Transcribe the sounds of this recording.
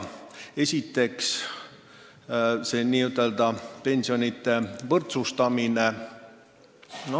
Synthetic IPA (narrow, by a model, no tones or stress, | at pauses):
e̞sʲit̪ːe̞ks | seniːyt̪ːˑe̞ld̪ɑpe̞nsionʲit̪ːe̞vɤrt̪sust̪ɑmine̞ | no